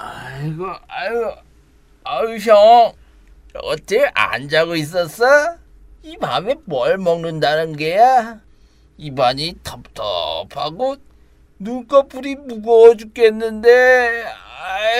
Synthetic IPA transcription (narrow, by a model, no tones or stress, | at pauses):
aiɡʌaɡʌ | aɕ̬ʰʌ | ʌtʰeʔa̰nd͡ʑaɡois̬͈ʌs͈ʌ | ima̰memʌɭmʌŋnɯndanɯnɡeja | ibaɲitʰʌp̚tʰʌ̰pʰa̰ɡo | nuk͈ʌpʰuɾimuɡʌd͡ʑuk͈enːɯnde | a